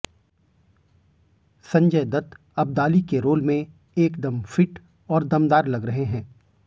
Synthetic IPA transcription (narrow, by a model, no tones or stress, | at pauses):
sɐ̃ɲd͡ʒəjd̪ɐt̪ | ɐb̚d̪aːlikeɾoːlmẽ | eːkd̪ɐmfɪʈ | ɔːɾd̪ɐmd̪aːɾlɐɡɾɐɦeɦɛ̃ː